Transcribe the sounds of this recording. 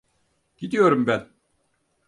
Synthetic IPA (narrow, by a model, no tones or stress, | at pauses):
ɟ̥id̪ijo̞ɾumbæn